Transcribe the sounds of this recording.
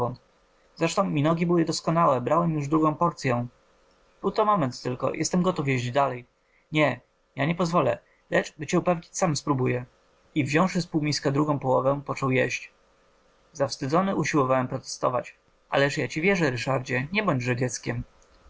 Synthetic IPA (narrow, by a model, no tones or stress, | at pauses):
ɔnt̪ | zɾɛʂt̪ɔ̃w̃mʲinɔɡʲibɘwɘd̪ɔskɔnawɛbɾawɛmjuʐd̪ɾuɡɔ̃w̃pɔɾt̪sʲjɛ̃ | b̥ɘwt̪ɔmɔmɛnt̪t̪ːɘlkɔ̰jʔɛ̰st̪ɛmɡɔt̪ufjɛʑd͡ʑd̪alɛj | ɲɛ | jaɲɛpɔzvɔlɛ̰ | lɛt͡ʂbɘt͡ɕɛupɛvɲit͡ɕsamspɾubujɛ | ivʑɔ̃w̃ʂɘspuwmʲiskad̪ɾuɡɔ̃w̃pɔwɔvɛpɔt͡ʂɔwjɛɕt͡ɕ | zafst̪ɘd̪zɔnɘʔuɕiwɔvawɛmpɾɔt̪ɛ̥st̪ɔ̰va̰t͡ɕ | ʔa̰lɛʂjat͡ɕivʲjɛʐɛɾɘʂaɾd͡ʑɛɲɛbɔɲd͡ʑʐɛd͡ʑɛt̪skʲɛm